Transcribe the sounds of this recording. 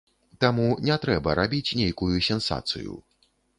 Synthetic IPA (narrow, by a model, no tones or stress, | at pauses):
t̪amunʲɛt̪ɾɛbɐɾabʲit͡sʲnʲejkujusʲɛnsa̰t̪sɨ̰jṵ